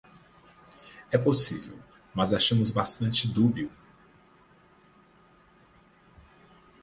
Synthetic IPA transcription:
ɛposivḛw | mɐzaʃɐ̃mʊzbast̪ɐ̃nt͡ʃɪd̪ubiw

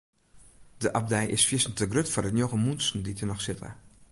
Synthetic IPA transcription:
d̥əʔɑb̚dɛjʔɪsfiəsən̩təɡrøtfɔdənjoɣəmunsn̩ditʰənɔxsɪtʰə̰

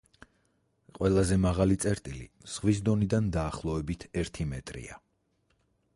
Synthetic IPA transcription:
qʼwɛlˠazɛmaʁalit̪sʼɛɾt̪ʼilḭz̥ʁwis̬d̪ɔnid̪and̪aːχlˠɔɛbit̪ʰɛɾt̪ʰimɛt̪ʼɾḭa

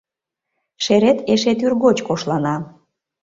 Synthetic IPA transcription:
ʃeɾet̪eʃet̪yrɣot͡ɕkoʃlɑnɑ

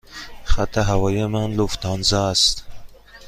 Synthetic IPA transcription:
χat̪aɦawɑjemanluft̪ɑnzast̪

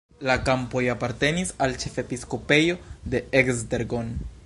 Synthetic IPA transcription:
lakampo̞japaɾte̞nisalt͡ʃe̞fe̞pisko̞pe̞jo̞de̞ekzdeɾɡo̞n

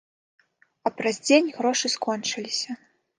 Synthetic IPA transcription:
ɐpɾɐzʲd͡zʲenʲɣɾɔʂɨskɔnt͡ʂɨlʲisʲɐ

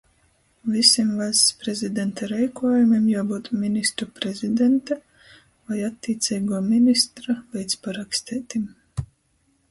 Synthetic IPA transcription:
visʲimvaspɾezid̪ɛnt̪aɾɛjkuɔjumʲimjaːbuːt̪mʲinʲist̪ɾupɾɛzʲid̪ɛnt̪a | vajat̪ʲːiːt̪sʲiːɡuɔminist̪ɾavɛjt̪spaɾakst̪ʲɛːt̪im

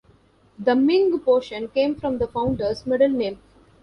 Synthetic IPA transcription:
d̪əmɪ̃ŋɡpoːʃə̃nkẽːmfɾɔ̃md̪əfãʊ̃ɳɖəɾzmɛɖəlnẽːm

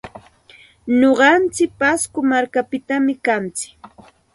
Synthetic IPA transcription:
ɲoɢɑnt͡sɪk̚paskʊmaɾkapɪt̪amɪkant͡sɪ̥k

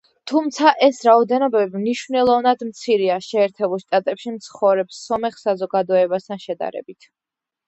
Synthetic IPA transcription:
t̪ʰumt̪sʰaʔɛsɾaɔd̪ɛnɔbɛbimniʃvnɛlˠɔvnad̪mt̪sʰiɾiaʃɛːɾt̪ʰɛbulˠʃt̪ʼat̪ʼɛpʃimt̪sʰχɔvɾɛpsːɔmɛχsazɔɡad̪ɔɛbast̪ʰanʃɛd̪a̰ɾɛ̰bit̪ʰ

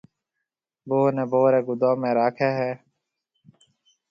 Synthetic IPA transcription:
boːnẽːboːɾeːɡʊd̪aːmẽːɾaːkʰeːɦɛː

